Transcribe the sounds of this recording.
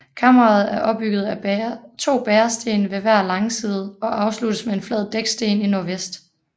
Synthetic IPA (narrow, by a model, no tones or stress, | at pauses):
kʰɑmɐʁɑ̈ð̞̩ˠæɐʔɒ̽b̥ːyɡ̥ð̞̩ˠæbt͡sʰo̝̰ːb̥eːɐsd̥e̝̰ːnəʋe̝ʋæɐ̰lɑ̈ŋsiːð̞ˠɒ̽ʔɑ̈ʊslud̥əsmee̝nflɛð̞̰ˠd̥eɡ̥sd̥e̝̰ːninoɐʋesd̥